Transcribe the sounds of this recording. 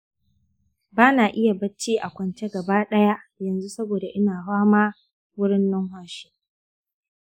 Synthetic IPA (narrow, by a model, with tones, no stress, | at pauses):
baː˦naː˨ʔɪ˦ja˨bɐ˦t͡ʃːiː˦ʔa˨kʷɐ˨nt͡ʃe˦ɡɐ˨baː˦ɗɐ˦ja˦ʔjɐ˨nzu˦sɐ˦boː˨da˨ʔɪ˦naː˨haː˦maː˦ | wʊ˦ɽɪ˦nːɔ˦ŋɦʷaː˦ʃi̥˦